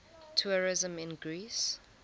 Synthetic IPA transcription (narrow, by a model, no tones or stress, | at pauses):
tʰuɹɪzə̃mɪ̃nɡɹiːs